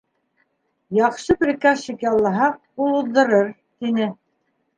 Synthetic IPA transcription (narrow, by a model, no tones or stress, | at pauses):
jɑqʃɤpɾʲikɑʃikjɑlˠːɑɦɑq̚ | ulˠuðɤ̆ɾɤɾ | t̪inɘ